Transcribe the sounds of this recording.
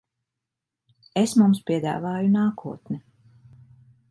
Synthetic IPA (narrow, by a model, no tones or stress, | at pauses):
esmumspʲiɛd̪a̰ːvaːjunaːkʰuɔt̪nɛ